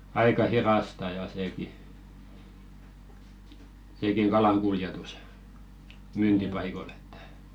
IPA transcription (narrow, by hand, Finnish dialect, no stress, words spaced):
ɑikɑ hirɑstɑ jɑ seːki seːkiŋ kɑlɑŋ kuljetus myːntipɑikol etːæ̥